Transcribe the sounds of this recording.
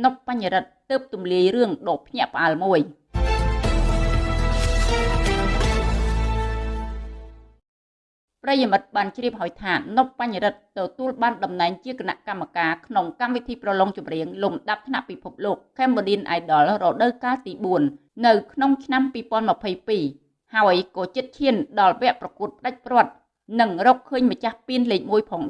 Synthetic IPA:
nopːaɲːɾɨt̪̚ːəːp̚t̪umliəjrɨəŋɗɑːpʰɲɛ̆əʔpə̆ʔalmuəj | prəəjimət̪̚ɓaːnt͡ɕriəp̚ɦaəjt̪ʰaːnopːaɲɾɨt̪̚t̪ɔt̪uəlɓaːnɗɑmnaɛŋt͡ɕiəkana̰ʔkamːakaːkʰnoŋkamʋit̪ʰiːprɑloŋt͡ɕumriəŋlumɗap̚t̪ʰna̰ʔpipʰup̚loːk̚ʰːɛːmɓoːɗiənʔa̰ːj̚ɗɑlrɔːɗəwkaːt̪iːɓuənː | ɨwkʰnoŋt͡ɕʰnampiːpŏənməpʰəjpiː | haəjkɔːt͡ɕət̪̚t͡ɕʰiənɗɑlʋɛ̆əʔprɑkuət̪̚pə̆ɗac̚prŏət̪̚ | nɨŋrɔːkʰːəːɲmə̆t͡ɕahpiənleːk̚muəjpʰɑːŋɗ

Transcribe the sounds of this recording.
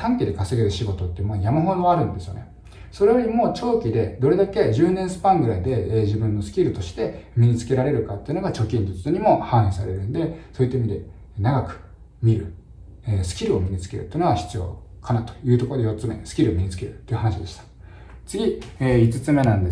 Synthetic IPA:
t̪ãŋkʲed̪e̞kaseɡeɾɯ̟ɕiɡo̞t̪o̞t̪ːeiːmoːjamaɦod̪oaɾɯ̟̃nd̪e̞sɨjo̞̰ne̞ | so̞ɾe̞jo̞ɾʲimo̞ːt͡ɕo̞ːkʲid̪e̞d̪o̞ɾe̞d̪ake̞ʑɨːnẽsɨ̥pãŋɡɯ̟ɾaid̪e̞ːʑibɯ̟̃nːosɨ̥kʲiɾɯ̟t̪o̞ɕi̥t̪e̞mʲiɲ̟it͡sɨ̥ke̞ɾaɾe̞ɾɯ̟kat̪ːeiɯ̟noɡat͡ɕo̞kʲĩɲd͡ʑɨt͡sɨɲ̟imo̞hãɰ̃ĩsaɾe̞ɾɯ̟̃nd̪e̞soit̪ːaimʲid̪e̞ | naɡakɯ̟̥ | mʲiɾɯ̟ | eːsɨ̥kʲiɾɯ̟o̞mʲiɲ̟it͡sɨ̥ke̞ɾɯ̰t̪oinoɡaɕi̥t͡sɨjo̞̰ːkʰanat̪o̥jɯ̟ːt̪o̞kood̪e̞jo̞t͡sɨmesɨ̥kʲiɾɯ̟omiɲ̟it͡sɨ̥ke̞ɾɯ̟t̪ːeiɯ̟hanaɕid̪e̞sɨ̥t̪ḁ | t͡sɨɡʲieːit͡sɨt͡sɨme̞nãnd̪e

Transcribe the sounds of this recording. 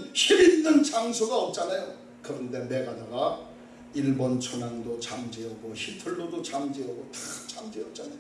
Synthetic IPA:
ɕʰiɾitɯnt͡ɕʰaŋsʰoɡaʌp̚t͡ɕ͈anajo | kɯɾʌnde̞me̞ɡadaɡa | iɭbont͡ɕʰonaŋdot͡ɕamd͡ʑiʌɡoɕʰitʰuɭdodot͡ɕamd͡ʑiʌɡotḁt͡ɕʰamd͡ʑiʌp̚t͡ɕ͈anajo

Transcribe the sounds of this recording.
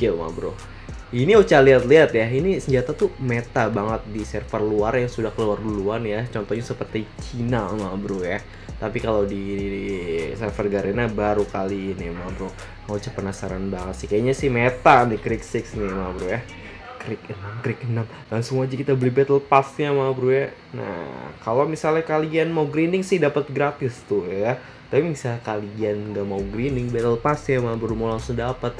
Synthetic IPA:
kɪlma̰bɾʊ̰h | iniot͡ʃaliat̪liɦat̪jainisəɲd͡ʒat̪at̪umet̪abaŋət̪̚disɛrfərluarjaŋsudahkəluarduluanjat͡ʃɔnt̪ɔhɲasəpərt̪it͡ʃinalmabɾuja | t̪apikalawdi | sɛrfərɡaɾenabaɾukaliːnimabɾu | maut͡ʃapənasaɾanbaŋət̪sɪhkajaɲasɪhmet̪andikɾɪksɪksnimabɾuja | kəɾɪk̚ənamkəɾɪk̚ənam | laŋsʊŋad͡ʒakit̪abəlihbɛt̪əlpasɲamabɾuja | na̰kalamisalɲakalianmauɡɾindɪŋsɪhdapət̪̚ɡɾat̪ɪst̪ʊja | t̪apimisalɲakalianŋɡaʔmauɡɾinɪŋbɛt̪əlpasɲamabəɾumalaŋsʊŋdapət̪̚

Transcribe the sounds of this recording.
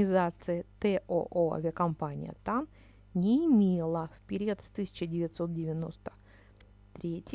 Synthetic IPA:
nʲɪzat̪sɨɪt̪ɛʔo̰ʔoɐ̰vʲɪəkɐmpanʲɪ̰jə̰t̪am | nʲɪɪmʲelˠəfpʲɪɾʲiot̪st̪ɨsʲɪ̥t͡ɕɪdʲɪvʲɪt̪so̞t̪̚dʲɪvʲɪno̞̰st̪ə̥ | t̪ɾʲetʲ

